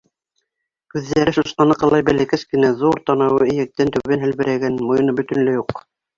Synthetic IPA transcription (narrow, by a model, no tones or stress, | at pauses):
kʉðːæɾɘʃosqɑnɤqɑlˠɑjbælækæskɘ̆næðuɾt̪ɑnɑwɤɘ̆jæ̆k̚t̪ænt̪ɵ̆βænɦɘ̆lβɘ̆ɾæɡænmŏjɤ̆nɤbɵ̆t̪ɵ̆nlɘjuq